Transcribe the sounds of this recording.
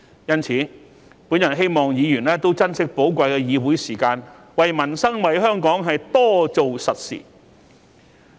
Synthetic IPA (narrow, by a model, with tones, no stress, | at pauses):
jɐ˥nt͡sʰiː˨˥ | puː˨˥njɐ˨˩nɦe˥jmɔː˨ŋjiː˨˧jyː˨˩nlɛː˥t̪o˥wt͡sɐ˥nsɪ˥k̚po˨˥wkʷɐ˧jkɛː˧jiː˨˧wuː˨˥jsiː˨˩kaː˧n | wɐ˨jmɐ˨˩nsɐ˥ŋwɐ˨jɦœː˥ŋkɔː˨˥ŋɦɐ˨jt̪ɔː˥t͡so˨wsɐ˨t̚sḭː˨˩